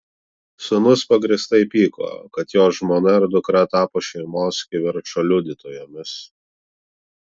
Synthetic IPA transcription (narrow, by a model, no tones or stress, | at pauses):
sʊnʊspɐɡɾʲɪst̪ɐɪpʲiːko̰ːkɐt̪joːsʒmoːnɐɪɾd̪ʊkɾɐt̪ɑːpoːʃʲɛɪmoːskʲɪʋʲɪɾt͡ʃoːlʲʊd̪ʲɪt̪oːjoːmʲɪs